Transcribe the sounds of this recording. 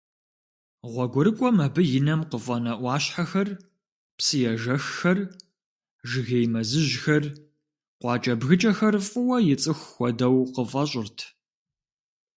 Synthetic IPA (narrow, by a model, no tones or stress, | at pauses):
ʁʷɔɡʷʊɾɨkʷʼɔmɐbɨjɪnɐmqəfʼɐnɐʔʷɑːɕħaxɐr | psɨjɛʒɐxːɐr | ʒɪɣejmɐzɨʑxɐr | qʷɑːt͡ʃʼɐbɣɨt͡ʃʼɐxɐrfʼʊwɐjɪt͡sʼɨxːʷɔdɐwqəfʼɐɕʼɪrtʰ